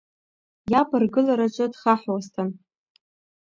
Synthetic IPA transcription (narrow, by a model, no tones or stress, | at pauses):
jabɨrɡɨlaɾat͡ʃʷʼɨdχaħwastʰan